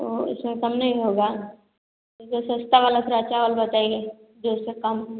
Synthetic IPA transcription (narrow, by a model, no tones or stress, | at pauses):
oɪ̰smẽkɐmnɐɦĩɦoːɡaː | ososɐst̪aʋaːlasɾat͡ʃaːʋəlbɐt̪aːeɡe | d͡ʒoɪsekɐm